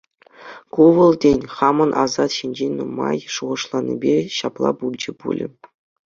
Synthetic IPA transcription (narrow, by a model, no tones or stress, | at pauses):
kuʋɤ̆lˠdʲenʲχɑmɤ̆nʔɑzɑt̪ɕinʲd͡ʑenʲnumɑjʂuʁɤ̆ʂlˠɑnʲːḭbʲeɕɑplˠɑ̰pulʲd͡ʑɘ̆pṵlʲɘ̰̆